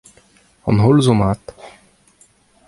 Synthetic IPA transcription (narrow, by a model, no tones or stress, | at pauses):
ɔ̰nɦolzomaːt̪